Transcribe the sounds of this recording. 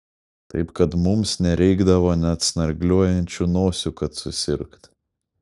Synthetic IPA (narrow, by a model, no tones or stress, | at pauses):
t̪ɐ̰ɪpkɐt̪mʊmsnʲɛɾʲɛɪɡd̪ɐʋoːnʲɛɐt̪snɐɾʲɡlʲuɔjɛnʲt͡ʃʲunoːsʲukɐt̪sʊsʲɪɾkt̪